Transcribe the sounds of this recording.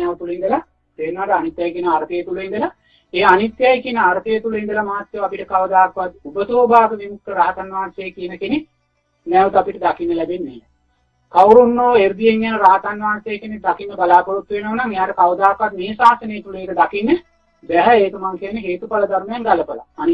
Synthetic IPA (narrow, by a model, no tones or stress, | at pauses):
ɛʋt̪ulind̪əla | t̪eːnaːʈəanit̪jajkijənəaɾət̪ejət̪uluind̪əla | eːanit̪ːjajkijənəaɾət̪ejət̪uluind̪əlamaːt̪jeʋapiʈəkaʋəd̪aːkːəʋat̪̚ubət̪oːbaːɡəʋimukːəɾaːt̪anʋaːnsejkijənəkene | næʋət̪apiʈəd̪akinːəlæbenːeː | kawɾunːoːeɾd̪ijeŋɡænəɾaːt̪anʋaːnsejːkened̪akinːəbalaːpoɾut̪ːʋenoːnaŋejaːʈəkaʋəd̪aːkəʋat̪miːsaːsənejːt̪uleːkəd̪akinːə | bɛɦɛeːt̪umaŋkenːeɦeːt̪upaləd̪aɾumɐjaŋɡaləpala̰ani